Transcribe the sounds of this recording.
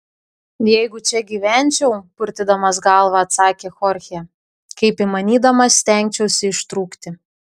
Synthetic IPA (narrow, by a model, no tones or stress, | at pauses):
jɛɪɡʊt͡ʃʲɛɡʲiːʋʲɛˑnʲt͡ʃʲɛʊpʊɾʲt̪ʲɪd̪ɐmɐsɡɑlˠʋɑːt̪sɑːkʲeːxɔɾʲxʲɛ | kɐɪpɪmɐnʲiːd̪ɐmɐsʲt̪ʲɛŋʲk̚ʲt͡ʃʲɛʊsʲɪɪʃt̪ɾuːkt̪ʲɪ